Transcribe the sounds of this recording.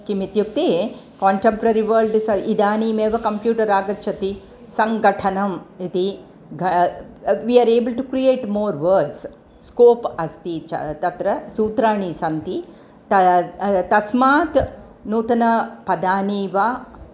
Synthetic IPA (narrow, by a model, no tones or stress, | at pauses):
kimit̪juk̚t̪ekaːɳʈempɾɐɾiʋɐːɾlɖisɐʔid̪aːniːmeːʋɐkɐmpjuːʈɐɾaːɡɐtːt͡ʃʰɐt̪i | sɐŋɡɐʈʰɐnɐmit̪i | ɡʱɐ | ʋiːaːɾeːbəlʈukɾieːʈmoːɾʋəːɾɖs | skoːpɐst̪it͡ʃɐ̰t̪ɐt̪ɾɐsuːt̪ɾaːɳisɐnt̪i | t̪ɐt̪ɐsmaːt̪ | nuːt̪ɐnɐpɐd̪aːniːʋaː